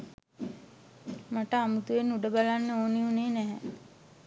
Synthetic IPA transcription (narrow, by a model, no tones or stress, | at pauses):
maʈəamut̪uʋenːuɖəbalanːəoːniuneːnæɦɛ